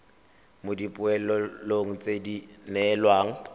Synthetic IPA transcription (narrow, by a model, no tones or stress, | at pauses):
mʊdipʼʊɛlɔloŋ̩t͡sʼedinɛlwaːŋ̩